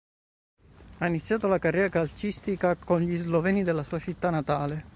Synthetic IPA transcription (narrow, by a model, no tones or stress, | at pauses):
ainit̪sjaːt̪olakarːɛːɾakalt͡ʃist̪ikakonʎizlovɛːnid̪elːasuːat͡ʃit̪ːanːat̪aːle